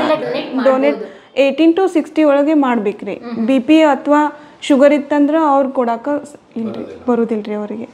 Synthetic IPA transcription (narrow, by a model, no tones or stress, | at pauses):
ɖoːneʈ | eːʈinʈusiksʈiɔɭɐɡemaːɖbeːkɾḭbipieɐt̪ʰʋaː | ʃuɡɐɾit̪ːɐnd̪ɐɾeɐʋɐɾkɔɽaːkɐ | ilɾibɐɾuːd̪ilɾiɐʋɐɾiɡe